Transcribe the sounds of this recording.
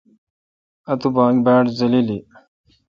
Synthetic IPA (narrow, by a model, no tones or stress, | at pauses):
ɐt̪ubãːɡbaːʈzɐlili